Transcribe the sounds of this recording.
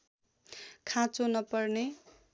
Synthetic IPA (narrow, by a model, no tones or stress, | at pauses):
kʰãt͡sonʌpʌrne